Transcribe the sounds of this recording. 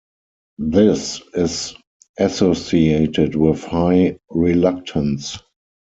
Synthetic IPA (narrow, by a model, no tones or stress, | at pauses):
ðɪsɪz | ʔæsosieɪtɪtwɪθhaɪɹilak̚tʰə̃ns